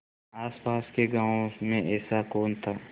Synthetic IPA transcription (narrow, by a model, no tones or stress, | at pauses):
aːspaːskeɡãːõmẽʔɛːsakoːnt̪ʰaː